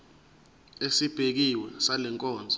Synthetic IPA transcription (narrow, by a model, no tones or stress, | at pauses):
esib̥ʱek̬iwɛsalɛŋkʼɔːnd͡zʱɔ